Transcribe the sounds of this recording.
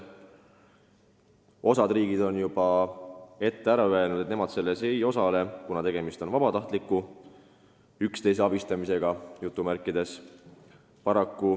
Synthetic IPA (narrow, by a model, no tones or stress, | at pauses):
o̞sɑd̪̥riːɡid̪̥o̞njub̥ɑ | e̞t̪ːeæɾɑøe̞lnud̪e̞t̪ne̞mɑd̪̥se̞lːe̞se̞jo̞sɑle̞kunɑt̪e̞ɡ̥emist̪o̞nvɑb̥ɑt̪ɑht̪likːˑu | ykst̪e̞js̬eɑb̥ist̪ɑmise̞ɡ̥ɑjut̪ːˑumærkːˑid̪̥e̞s | pɑɾɑkːu